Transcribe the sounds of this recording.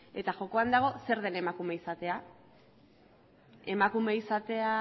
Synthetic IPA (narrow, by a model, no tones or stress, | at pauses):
e̞t̪aʝo̞ko̞and̪aɣ̞o̞se̞ɾðe̞nemakume̞isat̪e̞a | e̞makume̞isat̪e̞a